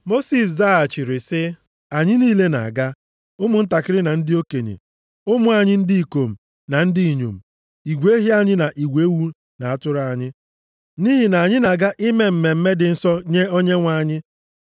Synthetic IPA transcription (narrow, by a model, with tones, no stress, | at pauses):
mo˦si˨s̬za˦a˨t͡ʃi˨ɾɪ˨sɪ˦ | a˨ɲɪ˦niː˦le˦na̰˨a˨ɡa˦ | ʊ˦mʊ˨n̩˦ta˨kɪ˦ɾɪ˦na˨n̩˦dɪ˦o˦ke˨ɲḛ˨ | ʊ˦mʊ˦˨a˨ɲɪ˦n̩˦dɪ˦i˨ko˨m̩˨ | na˨n̩˦dɪ˦i˨ɲo̰˨m̩˨ | i˨ɡʷe˦ɦi˦a˦ɲɪ˦na˨ʔi˨ɡʷe˨˦wu˦ | na˨a˨tʊ˦ɾa˨a˨ɲɪ˦ | niː˦ɦi˨na˨a˨ɲɪ˦na˨ɡa˦ʔɪ˦me˨m̩˨me˨m̩˦me˦dɪ˨n̩˦sɔ˦ɲe˦o˦ɲe˦ŋʷa˦˨ɲɪ˦